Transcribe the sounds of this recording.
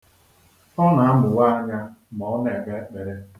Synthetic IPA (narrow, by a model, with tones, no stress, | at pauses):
ɔ˦na˨a˦bʊ˨wa˦a˦ɲa˦mɔ˨ɔ˦ne˨ke˦k͡pe˨ɾe˦